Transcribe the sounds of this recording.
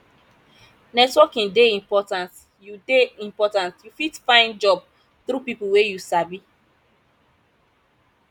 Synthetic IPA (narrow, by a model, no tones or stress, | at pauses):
nɛkswɔkĩndeĩmpɔtãnt | judeĩmpɔtãntjufitfãɪ̃nd͡ʒɔb̚ | θɾupipuwejusabi